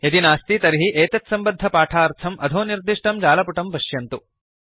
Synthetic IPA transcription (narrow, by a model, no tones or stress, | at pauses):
et̪inaːst̪it̪ɐɾiɦiʔeːt̪ɐt̪sɐmbɐd̪ʱːɐpaːʈʰaːɾt̪ʰɐmʔɐd̪ʱoːniɾd̪iʂʈɐmd͡ʒaːlɐpuʈɐmpɐʃjɐnt̪u